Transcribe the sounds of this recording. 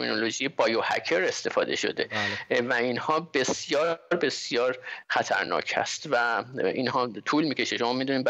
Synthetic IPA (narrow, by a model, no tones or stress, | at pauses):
mino̞lo̞ʒijebɒːjohæ̰cʰeɾe̞st̪e̞fɒ̰ːd̪e̞̰ʃo̞̰d̪evæinhɒːbe̞sjɒːɾbe̞sjɒːɾxæt̪ʰæ̰ɾnɒ̰ːcʰhæ̰st̪væinhɒːt̪ʰuːlmiːcʰe̞ʃeʃo̞mɒːmid̪uniːmb